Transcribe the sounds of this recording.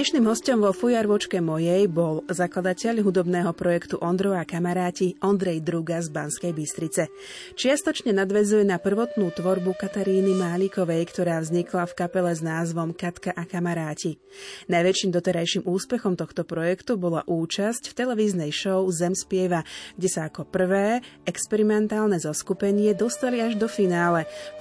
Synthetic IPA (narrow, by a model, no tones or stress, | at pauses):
ɲɛʃniːmɦɔscɔmʋɔfujaɾʋɔt͡ʃkɛmɔjɛjbɔlzaklˠad̪acɛʎɦud̪ɔbnɛːɦɔpɾɔjɛkt̪uʔɔnd̪ɾɔakamaɾaːciʔɔnd̪ɾɛjd̪ɾuɡazbanskɛjbist̪ɾit͡sɛ | t͡ʃɪast̪ɔt͡ʃɲɛnad̪ʋɛzujɛnapr̩ʋɔt̪nuːt̪ʋɔɾbukat̪aɾiːnimaːlikɔʋɛjkt̪ɔɾaːvzɲiklafkapɛlɛznaːzʋɔmkat̪kaʔakamaɾaːci | najʋɛt͡ʃiːmd̪ɔt̪ɛɾajʃimuːspɛxɔmt̪ɔxt̪ɔpɾɔjɛkt̪ubɔlaʔuːt͡ʃascft̪ɛlɛʋiːznɛjʃɔʊzɛmspɪɛʋaɡ̥ɟɛsaːkɔpr̩ʋɛːɛkspɛɾimɛnt̪aːlnɛzɔskupɛɲɪɛd̪ɔst̪aliaʒd̪ɔfinaːlɛ